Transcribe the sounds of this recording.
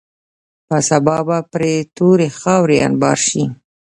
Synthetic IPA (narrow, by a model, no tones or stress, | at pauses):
pasabɑbapɾet̪oɾexɑwɾea̰nbɑ̰ɾʃi